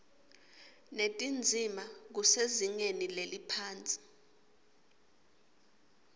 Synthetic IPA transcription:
netʼind͡zʱimak̬useziŋenilelipʰaːnt͡sʼi̥

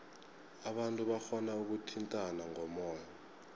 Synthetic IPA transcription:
aɓantʼuɓaxɔnauk̬utʰintʼanaŋɔmɔːjɔ

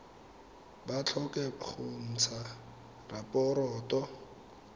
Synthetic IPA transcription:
bat͡ɬʰɔkɛχʊn̩t͡sʰa | rapʼɔɾɔːtɔ

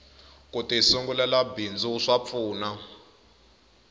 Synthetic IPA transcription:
kutisuŋɡulɛlabind͡zuʂap̪fuːna

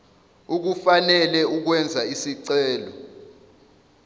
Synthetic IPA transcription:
uk̬ufanɛlɛuk̬wɛnd͡zʱaisiǀɛːlɔ̰

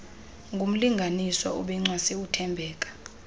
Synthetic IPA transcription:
ŋɡʱum̩liŋɡʱaniswɔuɓɛŋ͡ǀwasiutʰɛmbʱɛːk̬ʼḁ

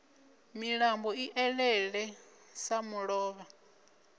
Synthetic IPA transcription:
miɺambɔiʔɛɺɛɺɛ | samuɺɔːβa

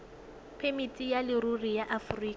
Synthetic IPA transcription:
pʰemitʼijalɪrurijaʔafriːka

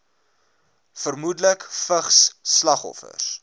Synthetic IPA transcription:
fərmudələkfəχsːlɐχɔ̰fə̰s

